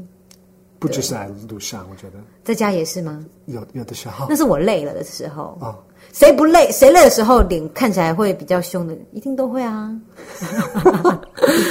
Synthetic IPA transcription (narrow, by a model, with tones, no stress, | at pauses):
pu˥˩t͡ɕ̩˥˩ʂ̩˥˩a˧˥ɪlu˧˩ɕjɑ˥˩ŋwɔ˨˩t͡ɕɥɛ˧˥d̪ə˧t͡sɪt͡ɕja˥jɛ˨˩ʂɻ̩˥˩mɐ˨˩ | jo˨˩jo˨˩d̪ə˨˩ɕɑ˥˩˧na˥˧ʂɻ̩˥˩wɔ˨˩le˥˩ɪlə̰˩d̪ə̰˩ʂɻ̩˧˥xo̰˧ʊɔ˧˩ | se˧˥ɪpu˧˥le˥˩ɪse˧˥ɪle˥˩ɪd̪ə˩ʂɻ̩˧˥xo˥˧ʊli˨˩˦ŋkʰa˥˩nt͡ɕʰi˨la˧˥ɪxwe˥˩ɪpi˨˩t͡ɕjɑ˥˩ʊɕjʊ˥ŋd̪ə˨i˧˥t̪i˥˩ŋt̪o˥ʊxwe˥˩ɪɐ˩